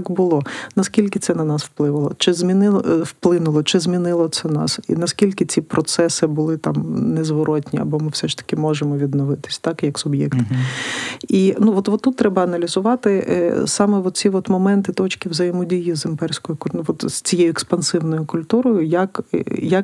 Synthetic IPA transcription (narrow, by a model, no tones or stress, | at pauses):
kbʊlˠɔnɐskʲilʲkɪt̪ɛnɐnɑswplˠɪʋɐlˠɔt͡ʃɪzʲmʲinɪwplˠɪnʊlˠɔt͡ʃɪzmʲinɪlˠɔt̪sɛnɑ̰sḭnɐskʲilʲkɪt͡sʲipɾɔt̪sɛsɪbʊlˠɪt̪ɑmnɛzʋɔɾɔt̪ʲnʲiɐ̰bɔmɪwsɛʃt̪ɐ̥kʲɪmɔʒemɔʋʲid̪nɔʋɪt̪ɪ̥sʲt̪ɑkjɐksʊbjɛ̰kt̪ | inuʋɔt̪ʋɔt̪ːut̪ːɾɛbɐɐnɐlʲizʊʋɑt̪ɪsɑmɛʋɔt̪̚t͡sʲiʋɔt̪mɔmɛnt̪ɪt̪ɔt͡ʃkɪwzɐjemɔdʲijizɪmpɛrsʲkɔjʊkʊnʋɔt̪ʲt͡sʲijɛjʊɛkspɐnsɪwnɔjʊkʊlʲt̪uɾɔjʊjɐkjɐk